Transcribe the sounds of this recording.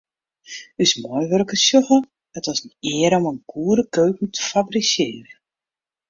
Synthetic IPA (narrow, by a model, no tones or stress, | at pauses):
ysmɔjʋørkəsjoxə | ətʋɔsnɪːəɾɔmənɡ̥uːɾəkøːkən̩tʰə̥fabrisjɪːrə